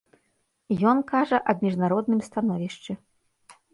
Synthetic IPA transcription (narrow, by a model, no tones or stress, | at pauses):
jɔnkaʐɐʔɐbʲmʲiʐnaɾɔd̪nɨmst̪anɔvʲiʂt͡ʂɨ